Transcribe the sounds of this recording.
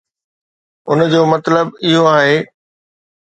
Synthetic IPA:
ʊnd͡ʑoːmɐt̪ləbɪɦoaːɦeː

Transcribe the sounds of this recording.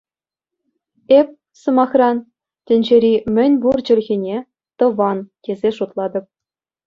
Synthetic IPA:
ep̚ʲ | sɤ̆mɑχrɑn | tʲɘ̆nʲd͡ʑeɾʲimʲɘ̆nʲburd͡ʑɘ̆lʲɣʲinʲe | t̪ɤ̆ʋɑnkʲezʲeʂut̪lˠɑd̪ɤ̆p̚

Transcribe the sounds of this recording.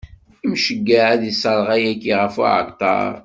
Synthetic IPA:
imʃəɡːaʕæðisˤəɾˤʁæjækːiʁəfṵʕə̰kt̪ɑ̰ɾˤ

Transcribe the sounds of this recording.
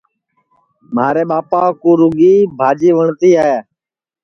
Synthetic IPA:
maːɾeːɓaːpaːkuːɾʊɡiːbʱaːd͡ʒiːʋəɳt̪iːaːɦeː

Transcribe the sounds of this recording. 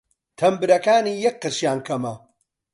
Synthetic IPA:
t̪ʰɐmbɨɾɐkaːniːjɐk̚qːɨɾʃjaːnkʰɐmɐ

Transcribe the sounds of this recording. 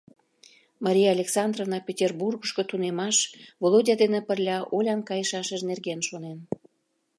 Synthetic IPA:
mɑɾʲijɑːlʲeksɑnd̪rovnɑpʲetʲerburɣəʃkot̪unemɑʃvolˠodʲɑd̪enĕpərlʲɑʔolʲɑnkɑjəʃɑʃəʒnerɣenʃonen

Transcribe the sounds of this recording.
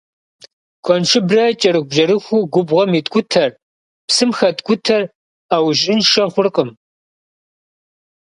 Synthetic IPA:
kʷʰɔnʂʰɪbrɐt͡ʃʼɐɾɨx̚ʷʒɐɾɨxʷuɡʷʊbʁɔmiːtʼkʷʼʊtʰɐr | psɨmxɐtʼkʷʼʊtʰɐr | aːwʒʼɪnʃɐχʷʊrqʼəm

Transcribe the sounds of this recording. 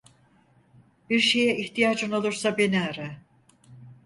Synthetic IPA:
b̥iɾʃe̞jɛʔiçt̪ʰijaːd͡ʒɯno̞lˠuɾsabeniaɾɛ

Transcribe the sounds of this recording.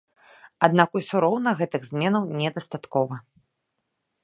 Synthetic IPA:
ad̪nakusuɾɔwnɐɣɛt̪ɨɣzʲmʲɛnɐwnʲɛd̪ɐst̪at̪kɔvɐ

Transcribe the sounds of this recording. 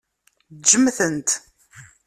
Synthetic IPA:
d͡ʒəmːθənt̪

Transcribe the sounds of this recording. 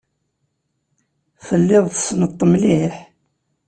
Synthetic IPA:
fəlːɪðˤθəsnət̪ˤːəmliħ

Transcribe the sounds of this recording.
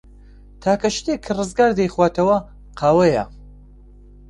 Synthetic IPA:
t̪ʰaːkʰɐʃt̪ekʰːɨrɨzɡaːɾd̪ɐjχwaːt̪ʰɐwɐ | qʰaːwɐjɐ̰

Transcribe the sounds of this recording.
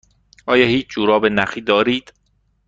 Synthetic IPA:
ʔɒːjɒːhiːt͡ʃʰd͡ʒuːɾɒːbenæχiːd̪ɒːɾiːd̪̥

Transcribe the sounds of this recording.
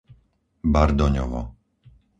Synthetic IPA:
baɾd̪ɔɲɔ̰vɔ̰

